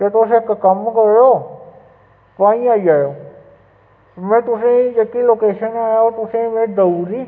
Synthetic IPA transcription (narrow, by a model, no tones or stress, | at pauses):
ket̪oːsekkɐmkəɾjoː | pãːĩaːid͡ʒaːjoː | mɛ̃ːt̪ʊsẽid͡ʒeːkiloːkeːʃənaːjot̪ʊsẽmẽd̪əuːɾiː